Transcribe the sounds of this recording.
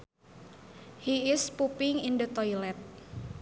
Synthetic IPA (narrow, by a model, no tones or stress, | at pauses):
hiɪspupɪŋindət̪ɔilɛt̪̚